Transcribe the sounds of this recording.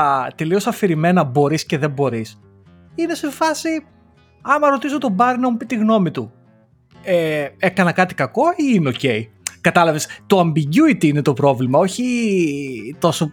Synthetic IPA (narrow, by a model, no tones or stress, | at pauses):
t̪e̞lio̞sɐfiɾime̞nɐbo̞ɾisce̞ðe̞mbo̞ɾis | ine̞se̞fɐsi | ɐmɐɾo̞t̪isot̪o̞bɐɾinɐmupit̪iɣno̞mit̪u | ee̞kɐnɐkɐt̪i̥kɐko̞iineo̞ce̞i | kɐt̪ɐlɐve̞st̪oɐmbiɟuit̪iine̞t̪o̞pɾo̞vlimɐo̞çi | t̪o̞so